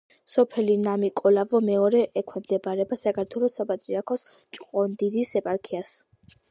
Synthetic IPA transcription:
sɔpʰɛlinamikʼɔlavɔmɛɔɾɛʔɛkʰwɛmd̪ɛbaɾɛbasakʰaɾt̪ʰwɛlˠɔsapʼat̪ʼɾiaɾkʰɔst͡ʃʼqʼɔnd̪id̪isɛpʼaɾkʰias

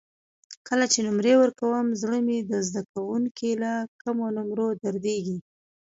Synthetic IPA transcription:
kəlat͡ʃenʊmɾewəɾkawəmzɽəmed̪əzd̪akawuŋkilakəmonʊmɾod̪aɾd̪eɡi

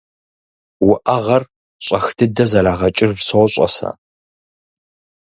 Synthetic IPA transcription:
wʊʔɐʁɐr | ɕʼɐxdʰɨdɐzɐlaːʁɐt͡ʃʼɪrvsowɕʼɐ̰sɐ̰

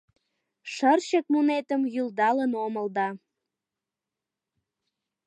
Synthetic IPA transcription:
ʃərt͡ɕək̚munet̪əmjyld̪ɑlənoməld̪ɑ

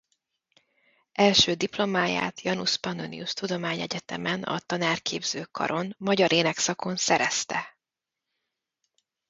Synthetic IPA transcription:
ɛlʃøːd̪iplo̞maːja̰ːt̪jɒnuʃpɒnd̪onḭust̪ud̪o̞maːɲɛɟɛt̪ɛmɛnɒ̰t̪ɒnaːrkʰeːbz̥øːkɒ̰ɾʔo̞nmɒɟɒɾʔeːnɛksɒko̞nsɛɾɛst̪ɛ

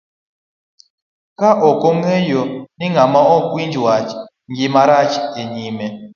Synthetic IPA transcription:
kaʔɔkɔŋejɔniŋɡamaɔkwind͡ʒwat͡ʃ | ŋɡimaɾat͡ʃeɲimɛ

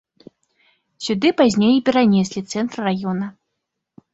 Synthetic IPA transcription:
sʲud̪ɨpazʲnʲejipʲɛɾanʲɛsʲlʲit̪sɛnt̪rrajɔnɐ

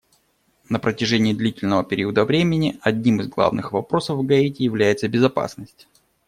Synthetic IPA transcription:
nəpɾətʲɪʐɛnʲɪːd̪lʲitʲɪlʲnəvəpʲɪɾʲiəd̪əvɾʲemʲɪnʲɪɐdʲnʲimɨzɡlˠa̰vnɨ̰xvɐpɾo̞səvvɡɐetʲɪjɪvlʲæjɪt̪səbʲɪzɐpa̰snəsʲtʲ

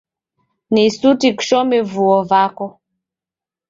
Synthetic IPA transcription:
nisutiku̥ʃɔmɛvuɔvakɔ

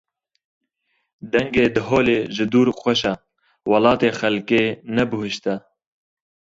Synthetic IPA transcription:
d̪ɛŋɡeːd̪ɨɦoːleːʒɨd̪uːɾxʷɛʃɛ | wɑlɑːt̪eːxɛlkeːnɛbɨɦɨʃt̪ɛ

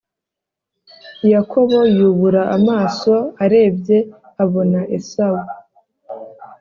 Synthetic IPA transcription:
jakʰo̞βo̞juːβuɾaamaːso̞aɾe̞ːbɟe̞ | aβo̞naʔe̞sawu

